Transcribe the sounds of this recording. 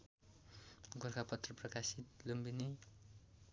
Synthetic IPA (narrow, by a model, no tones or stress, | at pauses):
ɡorkapʌt̪rʌprʌkasit̪lumbini